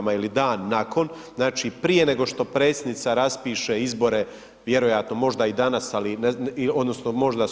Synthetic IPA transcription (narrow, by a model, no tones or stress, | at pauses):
mailid̪aːnːakʰo̞nznaːt͡ʃipɾije̞ne̞ɡo̞ʃt̪o̞pɾe̞ːt̪sje̞d̪nit̪saɾaspiːʃeizbo̞ɾe̞ | ʋje̞ɾojat̪no̞mo̞ʒd̪aid̪anasalinod̪nosnomo̞ʒd̪a